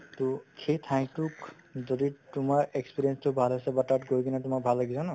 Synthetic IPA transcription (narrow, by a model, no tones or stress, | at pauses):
tukʰet̪ʰãj̃k̚tuk | zɔditʊmaɹekspiɹienstʊbʱalasɛbatatɡoɹjkinatʊmak̚bʱalːaɡisʰɔna